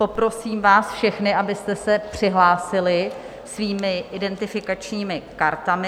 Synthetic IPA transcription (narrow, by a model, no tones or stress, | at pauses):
po̞pɾo̞siːmvaːsfʃɛxnɪʔabɪst̪ɛsɛpr̝̥ɪɦlaːsɪlɪ | sviːmɪʔɪdɛnt̪ɪfɪkat͡ʃɲiːmɪkaɾt̪amɪ